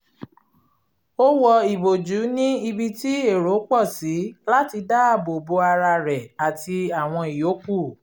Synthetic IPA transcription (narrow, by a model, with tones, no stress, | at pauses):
o˦wɔ˧i˨bo˨d͡ʒu˨˦nĩ˦i˧bi˧ti˦e˦˨ɾo˨˦k͡pɔ˦˨si˨˦la˦ti˧da˦a˦˨bo˨bo˧a˧ɾa˧ɾɛ˨a˨tʰi˧a˨w̃ɔ̃˧i˨jo˨˦k͡pu˦˨